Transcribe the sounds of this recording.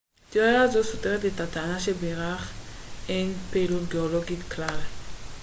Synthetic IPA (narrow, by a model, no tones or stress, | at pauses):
t̪iojaːzosote̞ʁet̬etat̪aanaʃebeʁaχenpeːlut̪ɡeolo̞ɡit̪klal